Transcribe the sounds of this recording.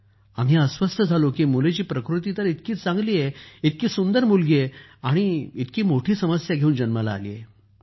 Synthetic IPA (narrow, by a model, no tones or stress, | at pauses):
a̰ŋɦeəsʋəst̪ʰəd͡zʱalokiːmulet͡ɕiːpɾəkɾut̪iːt̪əɾit̪kiːt͡sãŋɡliːjeit̪kiːsund̪əɾmulɡeaɽ̃iit̪kiːmoʈʰiːsəməsjaɡʱeuːnd͡ʑənməla̰ːlḭːjḛ